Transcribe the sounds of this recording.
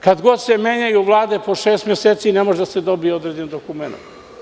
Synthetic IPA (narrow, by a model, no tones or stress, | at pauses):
kad̪ɡo̞d̪semeːɲajuʋlˠaːd̪e̞po̞ʃeːst̪mʲjeset̪sinemoʒed̪ased̪o̞bijeod̪ɾed͡ʑend̪okumena̰t̪